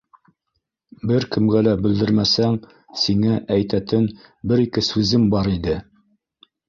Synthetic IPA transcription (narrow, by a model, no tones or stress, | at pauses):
bɘɾkɘ̆mɡælæbɘ̆ld̪ɘɾmæsæŋ | siŋæʔæjt̪æt̪ɘnbɘɾikɘsʉzɘmbɑɾid̪ɘ